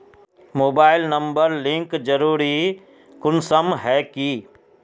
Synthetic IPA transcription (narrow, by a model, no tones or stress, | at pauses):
moːbaːɪlnɐ̃mbəɾlɪ̃ŋkd͡ʒɐɾuːɾi | kʊnsəmɦɛːki